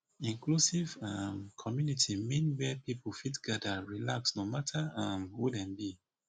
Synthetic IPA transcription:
ĩŋklusivãmkʰɔmjunitʰimĩnwɛpipʰl̩fitɡ̥adəɹilaksnomatʰəãmhwudɛ̃nbi

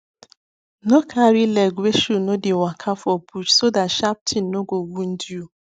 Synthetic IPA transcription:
nokʰaɾileɡweʃunodɪwakʰafobut͡ʃsodatʃap̚tʰin̩ːoɡoɡun̩dju

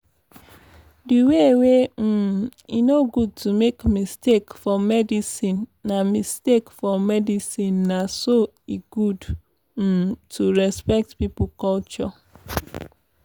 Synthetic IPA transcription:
diwewem̩inoɡud̚tumekmistekfɔmɛdisĩnːamistekfɔmɛdisĩnːaso | iɡud̩ | tʰuɹɛspɛk̚tpipokɔlt͡ʃɔ

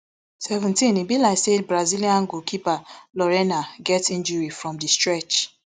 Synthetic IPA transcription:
sɛvɛ̃ntĩnibilaɪsebɹaziliãŋɡukʰipalɔɹɛnaɡɛtĩnd͡ʒuɹifɹɔ̃mdistɹɛt͡ʃ

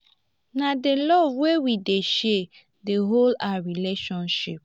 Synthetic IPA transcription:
nadelɔvwewideʃe | deɦolaɾileʃɔ̃nʃɪp̚

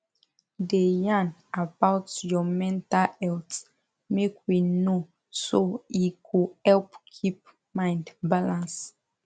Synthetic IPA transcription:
dejãnabawtjɔmɛ̃ntalɛlt | mekwino | soikʰuhɛlpkʰip̚ | mãɪ̃ndbalãns

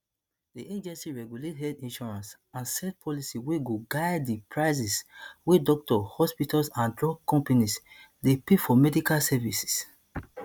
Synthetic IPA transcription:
diẽd͡ʒɛ̃nsiɹɛɡjulethɛdĩnʃɔɹãns | ãnsɛt̚pʰɔlisiweɡoɡaɪddipʰɹaɪsiswedɔk̚tɔhɔspitasãndɹɔɡkːɔ̃mpanis | depefɔmɛdikalsɛvisi̥s

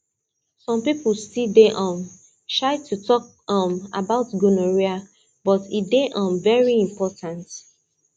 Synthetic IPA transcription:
sɔ̃mpipəlstideʔɔ̃m | tɹaɪtʰutʰɔk̚ | ɔ̃ma̰baʊtɡunɔɹia | b̥ɔtideʔɔ̃mvɛɹiĩmpʰɔtʰãnt

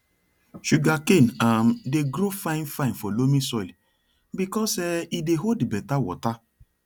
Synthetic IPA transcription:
ʃuɡakẽnamdeɡɾofãɪ̃nfãɪ̃nfɔlomisɔil | bikɔsɛideɦoldibɛtawɔ̰ta

